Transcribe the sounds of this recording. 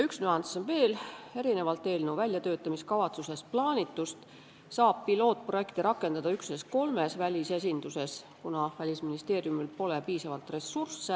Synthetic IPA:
yksnyɑnsonve̞ːle̞ɾine̞vɑlt̪ːˑe̞ːlnuvælʲjɑt̪ø̞ːt̪ːˑɑmiskɑvɑt̪suse̞splɑːnʲit̪ːˑust̪ | sɑːb̥pilo̞ːt̪̚ˑproje̞kt̪iɾɑkːˑe̞nd̪̥ɑd̪̥ɑyksnesko̞lme̞svælʲise̞s̬ʲind̪̥use̞s | kunɑvælʲisminist̪e̞ːɾjumilpo̞le̞piːsɑvɑlt̪re̞sːursːe

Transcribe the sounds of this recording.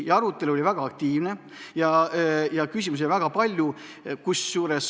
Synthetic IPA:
jɑɑɾut̪ːˑe̞luo̞livæɡ̥ɑɑk̚t̪iːvne̞ | jɑjɑkysʲimus̬evæɡ̥ɑpɑlʲju | kusːjuːɾes

